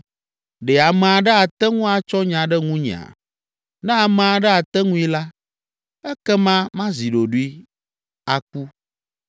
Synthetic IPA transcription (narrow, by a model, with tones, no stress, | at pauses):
ɖɛ˨a˨mɛ̃˨a˨ɖɛ˦a˨t̪ɛ˦ŋũ˦a˨t͡ʃɔ˦ɲã˨ɖɛ˦ŋũ˦ɲḭ̃˨a̰˨ | nɛ̃˦a˨mɛ̃˨a˨ɖɛ˦a˨t̪ɛ˦ŋũ˦i˦la˦ | ɛ˦kɛ˦mã˦mã˦zi˨ɖo˨ɖu˦i˦ | a˨k̚u˦